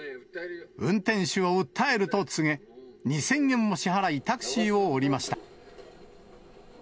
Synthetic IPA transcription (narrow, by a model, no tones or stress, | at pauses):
ɯ̟̃nt̪ẽ̞ɰ̃ɕɨβaɯt̪ʰːae̞ɾɯ̟t̪o̞t͡sɨŋe̞ɲ̟isẽ̞ŋɡẽ̞mːo̞ɕiɦaɾait̪akɯ̟̥ɕio̞ːɾʲimaɕi̥t̪a